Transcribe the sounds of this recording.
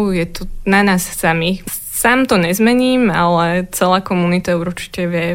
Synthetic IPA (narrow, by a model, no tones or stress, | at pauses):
jɛt̪ɔnanaːsːami | saːmt̪ɔɲɛzmɛɲiːma̰lɛt͡sɛlaːkɔmunit̪auɾt͡ʃi̥cɛʋɪɛ